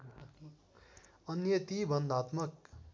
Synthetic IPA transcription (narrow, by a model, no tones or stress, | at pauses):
ʌnjʌt̪ibʱʌnd̪ʱat̪mʌk